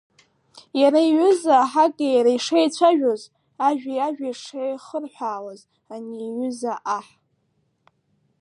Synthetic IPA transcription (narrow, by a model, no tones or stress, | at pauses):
jaɾaiɥʏzaħakʼajaɾaiʂejt͡ɕʷʰaʒᶣoz | aʒᶣajaʒᶣaiʂejχərħʷaːwaz | aniːɥʏzaʔaħ